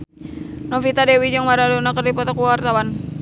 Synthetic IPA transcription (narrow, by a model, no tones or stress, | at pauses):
nofit̪adewid͡ʒəŋmaɾadonakərdipɔt̪ɔkuwart̪awan